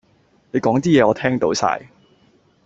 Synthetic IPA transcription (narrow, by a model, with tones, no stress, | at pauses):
ne˨˧jkɔː˨˥ŋt̪iː˥jɛː˨˧ɔː˨˧t̪ʰɛː˥ŋt̪o˨˥wsa̰ː˧j